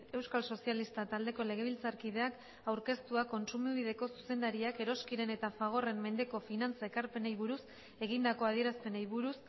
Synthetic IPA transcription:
e̞wskalso̞sialist̪at̪ald̪e̞ko̞le̞ɣ̞e̞β̞ilt͡saɾkiðe̞ak | awɾke̞st̪uako̞nsumiβ̞ið̞e̞ko̞su̥se̞nd̪aɾiake̞ɾo̞skiɾe̞ne̞t̪afaɣ̞o̞re̞mme̞nd̪e̞ko̞finant͡sae̞kaɾpe̞nejβuɾus | e̞ɣind̪ako̞aðie̞ɾaspe̞najβuɾus

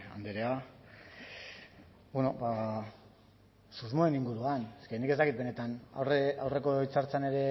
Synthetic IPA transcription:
a̰nd̪eɾea | beno̞ba | suzmo̞eniŋɡuɾuaneskenike̞zt̪akit̪be̞ne̞t̪ana̰reawre̞ko̞it͡saɾt͡sane̞ɾe̞

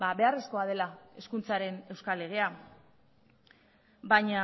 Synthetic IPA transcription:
abe̞are̞sko̞að̞e̞lae̞skunt͡saɾe̞ne̞wskale̞ɣ̞e̞a | bajɲa

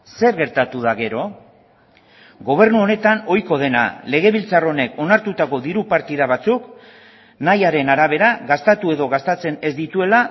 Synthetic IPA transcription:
se̞ɾɣe̞ɾt̪at̪uð̞aɣe̞ɾo̞ | ɡo̞β̞e̞ɾnuo̞ne̞t̪ano̞jko̞ð̞e̞na̰le̞ɣ̞e̞β̞ilt͡saro̞ne̞ko̞naɾt̪ut̪ako̞ðiɾupaɾt̪iðaβ̞at͡suk | najaɾe̞naɾaβ̞e̞ɾaɣast̪at̪ue̞ðo̞ɣast̪at͡se̞ne̞zd̪it̪ue̞la

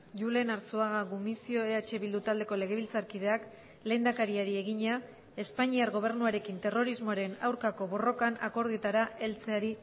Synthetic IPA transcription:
ʝule̞naɾt͡suaɣaɣumisio̞e̞at͡ʃe̞βild̪ut̪ald̪e̞ko̞le̞ɣe̞βilt͡saɾkiðe̞ak | le̞jnd̪akaɾiaɾie̞ɣ̞iɲa | e̞spaɲiaɾɣo̞β̞e̞ɾnuaɾe̞kint̪e̞ro̞ɾizmoaɾe̞nawɾkako̞βo̞ro̞kana̰ko̞ɾð̞uet̪aɾae̞lt͡se̞aɾi

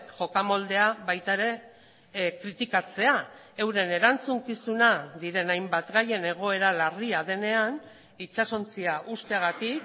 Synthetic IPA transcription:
kʝo̞kamo̞ld̪e̞aβajt̪aeɾe̞ | kɾit̪ikat͡se̞a | e̞wɾe̞ne̞ɾant͡suŋkisunaðiɾe̞najmbat̪ɣaje̞ne̞ɣ̞o̞e̞ɾalariað̞e̞ne̞an | it͡ʃaso̞nt͡siaʔust̪e̞ɣ̞at̪ik

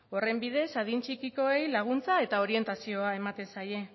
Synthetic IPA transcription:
o̞re̞mbiðe̞saðint͡ʃikiko̞e̞jlaɣ̞unt͡sae̞t̪ao̞ɾie̞nt̪asio̞ae̞mat̪e̞nsaje̞

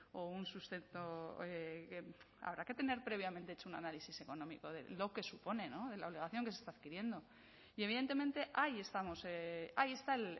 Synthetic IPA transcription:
ounsust̪e̞nt̪o̞eke | a̰βɾake̞t̪e̞ne̞ɾpɾe̞βjamẽ̞nt̪et͡ʃouna̰nalisise̞ko̞nõ̞miko̞ðe̞̰lo̞ke̞supo̞ne̞no̞ðe̞laoleɣaθjo̞ŋkeest̪aðkiɾje̞nd̪o̞ | ie̞β̞iðe̞nt̪e̞ment̪e̞ʔaje̞st̪amo̞seaje̞st̪ael

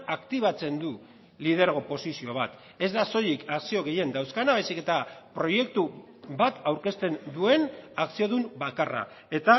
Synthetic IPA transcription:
akt̪iβ̞at͡se̞nd̪u | lið̞e̞ɾɣo̞po̞sisio̞β̞at̪ | e̞zd̪aso̞jikaksio̞ɣe̞je̞nd̪awskanaβajsike̞t̪apɾo̞je̞k̚t̪u | bat̪awɾke̞st̪e̞nd̪ue̞naksio̞ðumbakara̰ | e̞t̪a

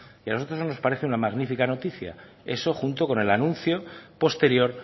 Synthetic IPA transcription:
ialoot̪ɾosnono̞spaɾeθeunamaɣnifikano̞t̪iθja̰ | eso̞xunt̪o̞ko̞ne̞lanũn̟θjo̞po̞st̪e̞ɾjo̞ɾ

